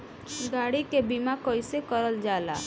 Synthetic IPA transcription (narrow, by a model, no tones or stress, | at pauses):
ɡaːɽikebimakɔisekəɾəld͡ʒaːla̰ː